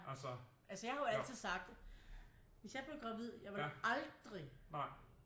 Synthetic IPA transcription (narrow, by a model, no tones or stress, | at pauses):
æs | ʔælsəjɑhɑ̈joæl̰t͡sʰið̞̰ˠsɑ̈ɡ̥̚d̥ | ʋe̝sjɑ̈ɪbleɡ̥ʁɑ̈ʋið̰ˠjɑ̈ɪʋɑʔɑ̈ld̥ʁi